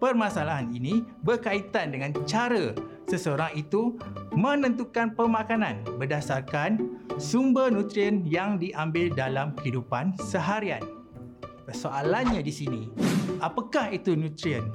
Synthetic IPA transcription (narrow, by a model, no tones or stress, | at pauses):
pərmãsalaɦaninibərkait̪andəŋãnt͡ʃaɾə | səsəoɾaŋit̪umə̃nə̃nt̪ukanpərmãkanãnbərdasarkansumbərnũt̪ɾiənjaŋdiʔambɪldalamkəɦidupansəɦaɾian | kəsoʔalanɲadisinĩʔapakahit̪unũt̪ɾiən